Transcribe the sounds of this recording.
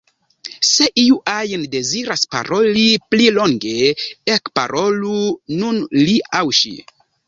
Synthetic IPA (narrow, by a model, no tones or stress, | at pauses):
se̞ʔiuʔajnde̞ziɾaspa̰ɾo̞liplilo̞ŋɡe̞ekpa̰ɾʔo̞lununliawʃḭ